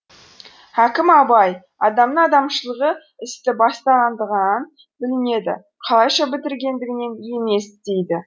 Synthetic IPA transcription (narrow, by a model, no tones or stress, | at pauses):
hækʲɪmɑbɑj | ɑd̪ɑmnəɴɑd̪ɑmʃəlˠəʁə | ɪst̪ɪbɑst̪ɑʁɑnd̪əʁənɑn | bɪlɪne̞d̪ɪ̰ | qʰɑlˠɑjʃɑbɪt̪ɪɾɡʲe̞nd̪ɪɡʲɪne̞njeme̞sd̪̥e̞jd̪ɪ